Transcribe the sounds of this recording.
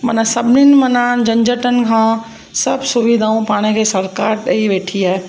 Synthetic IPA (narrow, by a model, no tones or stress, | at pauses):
mɐnãsɐbʱɪnɪnɪ̆mɐnaːnd͡ʑɐ̃ɲd͡ʑəʈənɪ̆kʰãː | sɐbsʊʋid̪ʱaːũpaːɽ̃ekʰeːsɐɾkaːɾɗɐiʋeːʈʰiaːɦe